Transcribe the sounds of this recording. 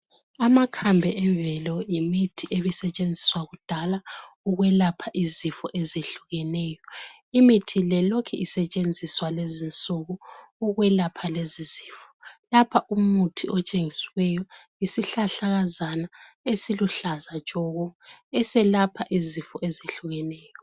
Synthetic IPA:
amakʰambʱɛʔɛɱvɛlɔjimitʰiʔeβisɛt͡ʃʼend͡zʱiswaɣud̥ʱalauɣwɛlapʰaʔizifɔʔezeɬuɣɛnɛːjɔ | imitʰilɛlokʰɛʔisɛt͡ʃʼend͡zʱiswalezint͡sʼuɣɔuɣwɛlapʰaleziz̥iːfɔ̥lapʰaʔumutʰiɔt͡ʃʼeŋisiwɛjɔ | isiɬaɬaɣazana | esiluɬazḁt͡ʃʼɔɣɔɛsɛlapʰaʔizifɔʔezeɬuɣɛnɛːjɔ

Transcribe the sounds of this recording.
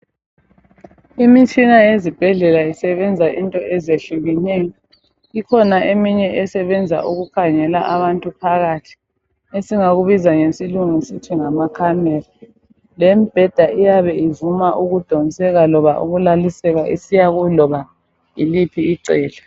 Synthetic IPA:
imit͡ʃʼinajezib̥ʱɛɮɛlaisɛβɛnd͡zʱaʔintʼɔʔɛzeɬuɣinɛjɔ | ikʰɔnaʔemiɲɛʔɛsɛβɛnd͡zʱa̰ʔuɣukʰaɲɛla̰ʔaβantʼupʰaɣatʰi̥ | esiŋaɣuβizaŋesiluŋisitʰiŋamakʰamɛra | lemib̥ʱɛd̥ʱaʔijaβɛivumaʔuɣud̥ʱɔnisɛɣalɔβa̰ʔṵɣulalisɛɣaʔisijaɣulɔβa | ilipʰiːǀɛːlɛ

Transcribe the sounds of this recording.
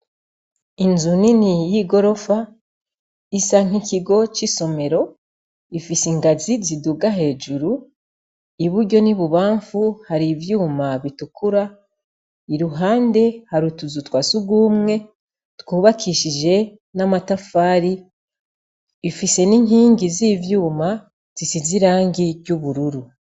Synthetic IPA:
inzuninijiɡo̞ɾo̞fa | isaŋ̥iciɡo̞t͡ʃiso̞me̞ɾo̞ | ifisiŋɡaziziduɡaɦe̞ːd͡ʒuɾu | iβuɾɟo̞niβuβaːɱfuhaɾivjuːmaβitukuɾa | iɾuɦaːnde̞haɾutuzutwasuɡuːmŋe̞ | tkuːβakʰiʃid͡ʒe̞ | namatafaːɾi | fise̞niŋ̥hiːŋɡizivjuːma | z̥isiziɾaːŋɡiɾɟuβuɾuɾu

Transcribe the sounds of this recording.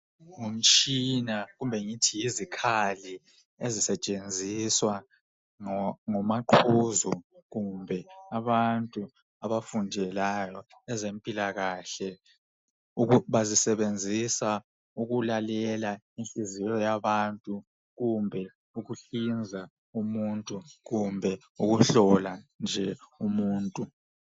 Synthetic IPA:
ŋunt͡ʃʼinaɣumbʱɛŋitʰijizikʰali | ezisɛt͡ʃʼend͡zʱiswa | ŋɔmaǃʰuzuɣumbʱɛaβantʼu | aβafundʱɛlajɔ | ɛzempʼilaɣaːɬɛ | uuβazisɛβend͡zʱisa | uɣulalɛla | inɬʼizijɔjaβantʼu | ɣumbʱɛ | uɣuɬind͡zʱa | umuntʼuɣumbʱɛ | uɣuɬɔland͡ʒʱɛumuːntʼu

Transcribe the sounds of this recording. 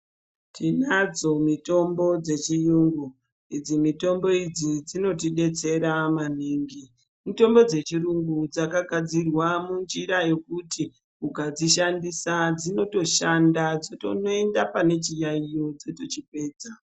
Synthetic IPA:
tʰinad͡zo̞mito̞mbo̞d͡ze̞t͡ʃijuŋɡu | id͡zimito̞mbo̞id͡zid͡zino̞tiɗe̞t͡se̞ɾaman̤iːŋɡi | mito̞mbo̞d͡ze̞t͡ʃiɾuŋɡud͡zakaɡʱad͡zirwamund͡ʒiɾaje̞kuti | ukad͡ziʃ̬andisad͡zino̞to̞ʃandad͡zotonoendapane̞t͡ʃijaijo̞d͡zotot͡ʃikwe̞ːd͡za

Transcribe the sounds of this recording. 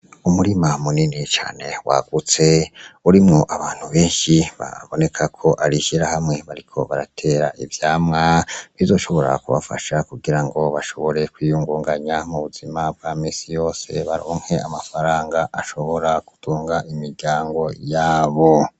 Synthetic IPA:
umuɾimamuninit͡ʃa̰ːne̞wa̰ɡ̥ut͡se̞uɾimŋo̞ʔaβaːn̥huβe̞ːnʃiβa̰βo̞ne̞kʰakʰo̞ʔaɾiʃiɾahamŋe̞βaɾikʰo̞̰βaɾa̰tʰe̞ːɾaʔivjaːmŋaβizo̞ːʃo̞βo̞ɾa̰kuβa̰fa̰ʃakuɡiɾaŋɡo̞βaʃo̞βo̞ɾe̞kwiːjuŋɡuːŋɡaɲamuβuzimab̚ɡ̥amiːsijo̞ːse̞βaɾoːŋhe̞amafaɾaːŋɡaʔaʃo̞βo̞ɾaku̥tʰuːŋɡaʔimiɾɟaːŋɡo̞jaːβo̞

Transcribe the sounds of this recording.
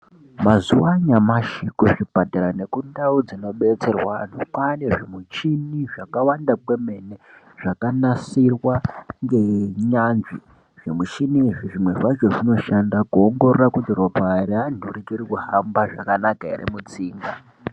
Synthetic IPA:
mazuwaɲamaʃikuʐipataɾane̞kundaud͡zino̞ɓet͡se̞rwan̤ukwaneʐimut͡ʃiniʐakawandakweme̞ne | ʐ̥akanasirwaŋɡe̞ɲanʐi | ʐ̥emut͡ʃiniʐiʐimwe̞ʐaʒoʐino̞ʃandakuoŋɡo̞ɾorakutiro̞paɾeanurikiɾikuhambaʐa̰kanakaḛrḛmut͡siːŋɡa

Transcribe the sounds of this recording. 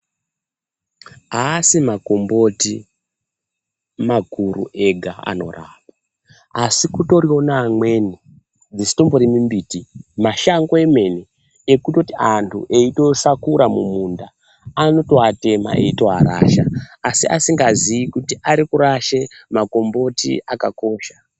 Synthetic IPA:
aːsimakombo̞ti | makurṵʔe̞ɡʱaa̰no̞̰raːpa | asikuto̞ɾio̞naːmwe̞ni | d͡zisi̥tomboɾimimbiːtimaʃaŋɡo̞eme̞ne | ekuto̞tiantʰṵʔe̞ito̞sakuɾamumundaː | no̞to̞ate̞ma̰ḛito̞ɦaɾa̰ːʃaːsiʔasiŋɡazijikutiʔaɾikuɾaʃemako̞mbo̞tḭakako̞ːʃa

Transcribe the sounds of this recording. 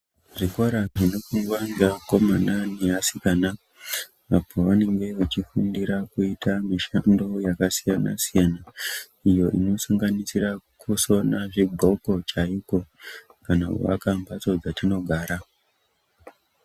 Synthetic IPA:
ʐikoɾaʐino̞kuŋɡwanɡako̞mananiasikana | apʰoʋane̞ŋɡe̞ut͡ʃifundiɾakuitʰamiʃando̞jakasijana̰sijana | ijo̞ʔḭno̞saŋɡanisirakʰuso̞naʐibʱo̞ko̞t͡ʃaiko̞kana̰ṵʋa̰kambat͡so̞d͡zatino̞ɡʱaːɾa

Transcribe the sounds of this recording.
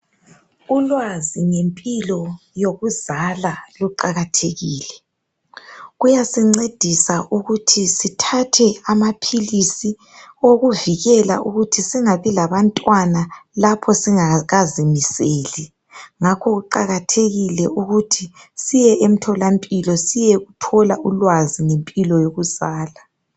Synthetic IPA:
ulwaziŋempʼilɔjoɣuzalaluǃaɣatʰeɣiːlɛ | ɣujasiŋ͡ǀed̥ʱisaʔuɣutʰisitʰatʰɛamapʰilisi | oɣuviɣɛla̰ʔuɣutʰisiŋaβilaβantʼwanalapʰɔsiaɣazimisɛːlɛ | ŋakʰɔɣuǃaɣatʰeɣilɛʔuɣutʰisijɛʔem̩tʰɔlampʼilɔsijɛɣutʰɔlaulwazinempʼilɔjoɣusaːla

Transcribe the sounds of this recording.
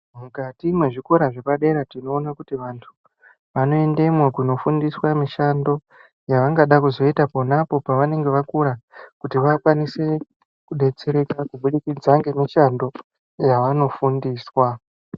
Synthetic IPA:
mukatimwe̞ʐiko̞ɾaʐepaɗe̞ɾatino̞ːnakutiʋantʰu | ʋano̞e̞nde̞mwekuno̞fundiswamiʃando̞ | jaʋaŋɡaɗakuzo̞itapo̞napo̞paʋane̞ŋɡe̞ʋakuɾakutiʋakwanise̞ | kuɗe̞t͡se̞ɾe̞kakuɓuɗikid͡zaŋɡe̞miʃando̞ | jaʋano̞fundiːswa

